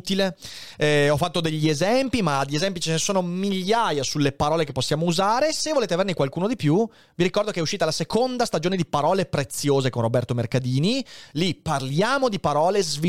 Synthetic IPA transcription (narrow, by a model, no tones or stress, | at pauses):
t̪ile | ɔfːat̪ːod̪eʎːiezɛmpimad̪iezɛmpit͡ʃenesoːnomiʎːaːjasulːepaɾɔːlekepːosːjaːmouzaːɾesevoleːt̪eavernekwalkuːnod̪ipju | viɾikɔrd̪okeɛuʃːiːt̪alasekond̪ast̪ad͡ʒoːned̪ipaɾɔːlepɾet̪sːjoːzekonrobɛrt̪omerkad̪iːnilipːarljaːmod̪ipaɾɔːlezvi